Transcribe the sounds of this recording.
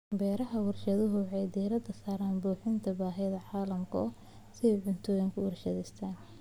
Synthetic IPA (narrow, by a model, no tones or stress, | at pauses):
bɛːɾɐɦɐwɐrʃɐðʊɦʊħɑjd̪ɛːɾɐd̪ɐsaːɾaːnbuːħɪnt̪ʰɐbaːɦɛjðɐʕɑːlɐmkʰɐ̰ | sɪɛjʕʊnt̪ʰɔːjɪŋkʰʊwɑrʃɐðɛst̪ʰaːn